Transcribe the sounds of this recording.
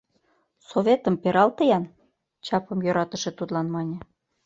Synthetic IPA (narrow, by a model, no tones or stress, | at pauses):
soβʲet̪ə̆mpeɾɑlt̪əjɑn | t͡ɕɑpə̆mjøɾɑt̪ə̆ʃĕt̪ud̪lɑnmɑnʲĕ